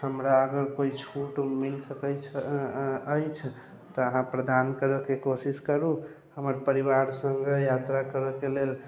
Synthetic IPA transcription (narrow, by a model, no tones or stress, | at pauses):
həmɾaəɡəɾkoit͡ʃʰuʈmilsəkət͡ʃʰ | əjt͡ʃʰ | t̪ɔəɦãpɾəd̪ankəɾəkekosiskəɾu | həməɾpəɾibaɾsəŋɡejat̪ɾakəɾəkelel